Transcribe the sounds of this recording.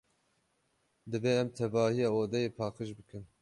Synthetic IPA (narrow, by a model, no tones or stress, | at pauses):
d̪ɨveːɛmt̪ʰɛvɑːhijɑːoːd̪ɛjeːpʰɑːqɨʃbɨkʰɨn